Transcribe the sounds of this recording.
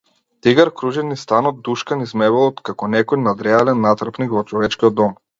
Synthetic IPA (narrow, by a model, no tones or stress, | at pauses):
t̪iɡɐɾkɾuʒɛnːist̪anot̪̚d̪uʃkanizmɛvɛlˠot̪kakɔnɛkojnad̪ɾɛalɛnːat̪rpnikvɔt͡ʃɔvɛt͡ʃkʲiod̪ɔm